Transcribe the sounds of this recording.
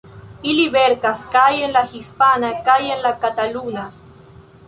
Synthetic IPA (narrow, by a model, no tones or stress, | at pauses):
iliβeɾkaskajenlaxispanakajenlakat̪aluna